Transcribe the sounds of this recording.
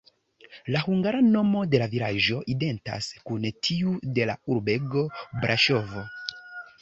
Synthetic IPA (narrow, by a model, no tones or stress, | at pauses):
lahuŋɡaɾano̞mo̞de̞lavilaʒo̞ʔide̞nta̰skuntʰiude̞la̰uɾbe̞ɡo̞bɾʔaʃo̞vo̞